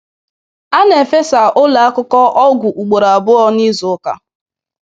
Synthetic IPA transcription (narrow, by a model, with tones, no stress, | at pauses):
a˦ne˨fe˦sa˨ʔʊ˦la˨a˦kʊ˦kɔ˦ʔɔ˦ɡʷʊ˨ʔu˨ɡ͡bo˨ɾa˨a˨bʊ˦ɔ˦ni˦zʊ˨˦ka̰˨